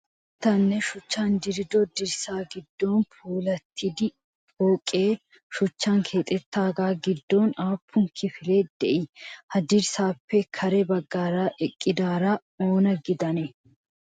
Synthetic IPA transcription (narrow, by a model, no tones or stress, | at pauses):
t̪ɐnːɛʃʊt͡ʃːaːnd̪ɪɾɪd̪ɔd̪ɪɾsaːɡɪd̪ːo̞ːnpʰuːlɐt̪ʰːɪd̪ɪ | foːkʼːeː | ʃʊt͡ʃːaːŋkʰe̞ːt̪ʼɛt̪ːaːɡaːɡɪd̪ːo̞ːnaːpːʊŋkʰɪfɪle̞ːd̪̥ɛʔɪhɐd̪ɪɾsaːpːɛkʰɐɾɛbɐɡːaːɾaːʔɛkʼːɪd̪aːɾaː | oːnɐɡɪd̪ɐnɛ